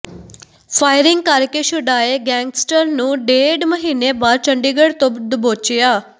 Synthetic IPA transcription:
paːɪɾɪŋɡ̚kəɾkeːʃʊɖaːeːɡɛ̃ːŋɡsʈəɾnũːɖeːɖməɦiːneːbaːɾt͡ʃəɳɖiːɡəɽt̪õd̪boːt͡ʃɪjaː

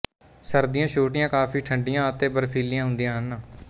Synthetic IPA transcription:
səɾd̪ɪjãːʃuːʈɪjãːkaːpʰiːʈʰəɳɖɪjãːət̪eːbəɾpʰiːlɪjãːɦʊ̃nd̪ijãːɦən

